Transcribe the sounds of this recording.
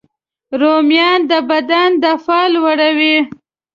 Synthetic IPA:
ɾomjɑnd̪əbad̪and̪əfɑlwaɽawi

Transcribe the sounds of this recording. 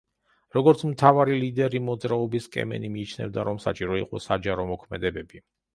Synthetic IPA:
ɾɔɡɔɾt̪sʰmt̪ʰavaɾilid̪ɛɾimɔd̪zɾaɔbiskʼɛ̰mɛ̰nimiːt͡ʃʰnɛ̰vd̪aɾɔmsa̰t͡ʃʼiɾɔiqʼɔsad͡ʒaɾɔmɔkʰmɛd̪ɛbɛbi

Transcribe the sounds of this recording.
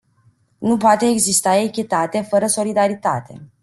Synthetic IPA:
nupoat̪e̞ːɡzist̪aekʲet̪at̪e̞fəɾəso̞lid̪aɾit̪a̰t̪e̞̰

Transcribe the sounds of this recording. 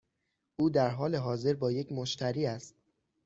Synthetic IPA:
ʔuːd̪æɾɦɒːle̞ɦɒːze̞ɾbɒːje̞cʰmoʃt̪ʰæɾiːæst̪̚

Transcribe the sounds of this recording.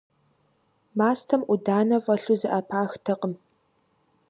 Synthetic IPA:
maːstʰɐmʔʷʊdaːnɐfʼɐɬuzɨʔɐpʰaːxtʰɐqəm

